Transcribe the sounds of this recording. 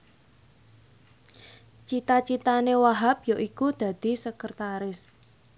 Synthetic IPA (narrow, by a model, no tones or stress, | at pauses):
t͡ʃit̪at͡ʃit̪anewaɦap̚joʔikud̪̥ä̤d̪̥i̤səkərt̪aɾɪs